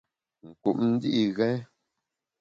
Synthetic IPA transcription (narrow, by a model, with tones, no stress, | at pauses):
ŋ̩˨ku˨ʔn̩˦di˦ʔi˨ɣɛ̃˦